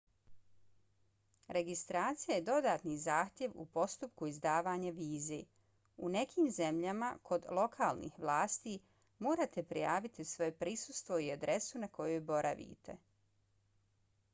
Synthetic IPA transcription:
ɾʔe̞ɡist̪ɾaːt̪sijajed̪o̞d̪aːt̪nizaːxt̪ʲje̞ʋṵpo̞st̪up̚kuizd̪aːʋaːɲaʋiːzḛ | une̞kʰiːmze̞mʎama̰kʰo̞d̪lo̞kʰaːlˠnḭxʋlˠaːst̪i | moːɾat̪e̞pɾijaːʋit̪isʋo̞jepɾisust̪ʋo̞iad̪ɾe̞sunako̞jojbo̞ɾʔa̰ʋḭt̪e̞̰

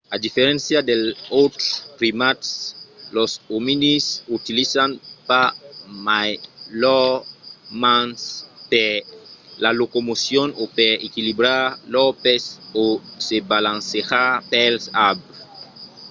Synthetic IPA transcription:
ad̪ifeɾẽnsjad̪elowt̪ɾskrimat̪slosominisut̪ilisanpamajlɔ | mãnspe | lalokomosjonopeɾekilibɾalɔpesosebalãnseʁapɛlsabɾe

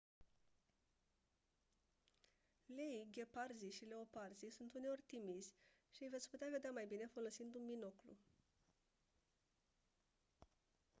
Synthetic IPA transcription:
leiɡʲe̞parziʃile̞o̞parzisunt̪uneo̞rʲt̪imizʲʃiɨjve̞t̪sʲput̪eave̞d̪eamajbine̞fo̞lo̞sind̪unmino̞klṵ

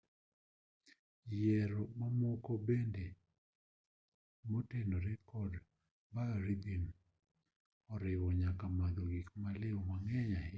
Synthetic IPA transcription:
jɛɾɔmamɔkobende | motendoɾɛkɔd | baɾid̪in | ɔɾɪwɔɲakamad̪oɡikmalɪwmaŋɛɲa

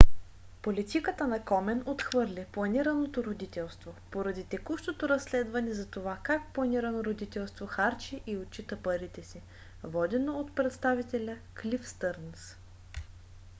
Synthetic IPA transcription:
polʲit̪ikət̪ənɐkɔmɛnot̪xvɤɾlʲiplˠɐniɾɐnot̪oɾod̪it̪ɛlˠst̪vopoɾɐd̪it̪ɛkuʃt̪ot̪oɾɐsːlɛd̪vɐnɛzɐt̪ovakak̚plˠɐniɾɐnoɾod̪it̪ɛlˠst̪voxaɾt͡ʃiʔiot͡ʃit̪əpəɾit̪ɛsi | vɔd̪ɛnoot̪pɾɛt̪st̪avit̪ɛlʲəklʲifst̪əɾns

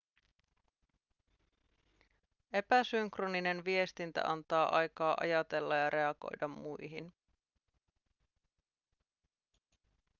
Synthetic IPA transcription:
e̞pæsyŋkronine̞nʋie̞st̪int̪æ̰ʔɑnt̪ɑːʔɑjkɑːʔɑ̰jɑt̪e̞lːɑjɑɾʔe̞ɑɡ̥o̞̰jdɑmːujɦin

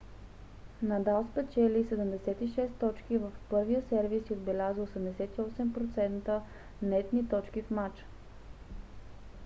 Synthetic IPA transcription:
nad̪alˠspɛt͡ʃɛlisɛd̪əmd̪ɛsɛt̪iʃɛst̪ːɔt͡ʃkivəfpɤɾvijəsɛɾvisiod̪bɛlʲaziosɛmd̪ɛsɛt̪iɔsɛmpɾot̪sɛnt̪ə | nɛt̪nit̪ɔt͡ʃkifmat͡ʃ

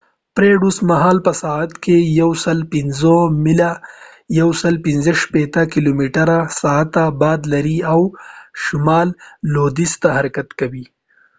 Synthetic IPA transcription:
pɾeɖusmaɦɑːlpəsaat̪kejawsəlpɪnzomila | jawsəlpɪnzəʃpet̪akilomiʈaɾasaat̪ːabɑːd̪laɾiawʃʊmɑlːod̪ist̪ahaɾakat̪kawi

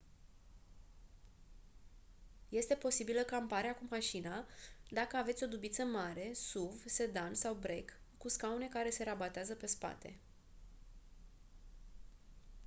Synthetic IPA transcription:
je̞st̪e̞po̞sibiləkampaɾeakumaʃinad̪akəave̞t̪sʲo̞d̪ubit̪səmaɾe̞suvse̞d̪ansawbɾe̞kː | uskaune̞kaɾe̞se̞ɾabat̪eazəpe̞spa̰t̪e̞̰

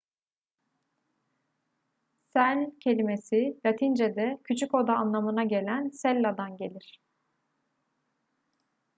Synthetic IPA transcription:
sælʲcʰe̞lʲime̞silat̪ʰind͡ʒed̪ɛcʰyt͡ʃʰyko̞d̪aːnlˠamɯnaɟe̞lʲænsɛlʲːad̪anɟe̞lʲiɾ̥

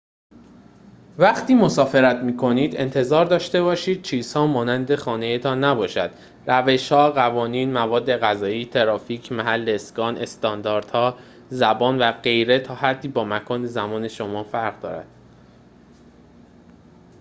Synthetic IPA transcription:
væχt̪ʰiːmo̞sɒːfe̞ɾæt̪miːkʰo̞niːd̪e̞nt̪ʰe̞zɒːɾd̪ɒːʃt̪e̞βɒːʃiːd̪̥̚t͡ʃʰiːz̥hɒːmɒːnænd̪e̞xɒːne̞jet̪ʰɒːnːæbɒːʃæd̪̥ | ræve̞ʃhɒːɣævɒːniːnmævɒːd̪ːe̞ɣæzɒːiːt̪ʰe̞ɾɒːfiːcʰmæɦælːeskɒːnʔe̞st̪ɒnd̪ɒːɾd̪̥hɒː | zæbɒːnvæɢe̞jɾet̪ʰɒːhæd̪ːiːbɒːmækʰɒːnezæmɒːne̞ʃo̞mɒːfæɾɣd̪ɒ̰ːɾæ̰d̪̥

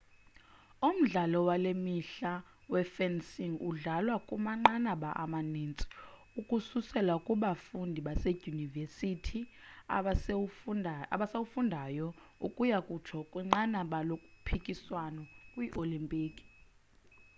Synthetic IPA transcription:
um̩ɮalɔwalemiɬa | wɛfɛnsiŋṵɮalwakʼumaŋ͡ǀanaɓaʔa̰manint͡sʼi̥ | ukʼususɛlwakʼuɓafundʱiɓase̥univesitʰia | aɓasawufundʱajɔṵkʼujakʼut͡ʃʰɔkʼwɛŋ͡ǀanaɓalokʼu̥pʰikʼiswanɔkʼwiʔolimpʼiːkʼi̥

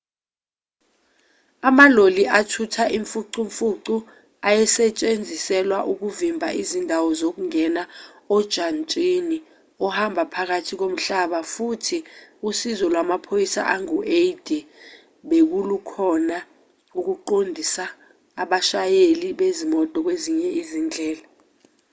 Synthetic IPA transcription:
amaloliʔatʰutʰaʔiɱfuǀiɱfuǀu | ajɛsɛt͡ʃʼend͡zʱisɛlwaʔuk̬uvimbʱa̰ʔizindʱawɔzok̬uŋɛnaɔd̥ʒ̥ʱant͡ʃʼini | ɔhambʱapʰak̬atʰik̬om̩ɬaɓafutʰiusizɔlwamapʰojisa̰ʔaŋuʔejd̥ʱi | ɓek̬ulukʰɔna | uk̬uǃondʱisaː | ɓaʃajeliɓezimɔtʼɔk̬weziɲɛʔizind͡ɮʱɛːla

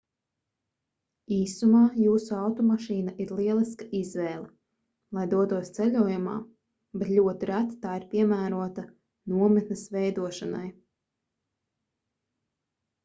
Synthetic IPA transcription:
iːsumaːjuːsuawt̪ɔmaʃiːnaʔiɾlˠiɛlˠiskaʔizvɛːlˠɛ | lˠajd̪uɔt̪uɔst̪sɛlʲuɔjuma̰ː | bɛt̪lʲuɔt̪iɾæt̪t̪aːiɾpʲiɛmæːɾuɔt̪a | nuɔmɨt̪nɨsvɛjd̪uɔʃana̰j

